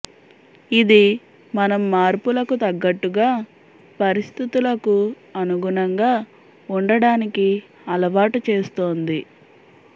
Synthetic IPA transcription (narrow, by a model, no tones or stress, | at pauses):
id̪i | mɐnɐmːaːɾpulɐkut̪ɐɡːɐʈːuɡaː | pɐɾist̪ʰit̪ulɐku | ɐnuɡunɐŋɡaː | uɳɖɐɽaːniki | ɐlɐʋaːʈut͡ʃeːst̪oːnd̪i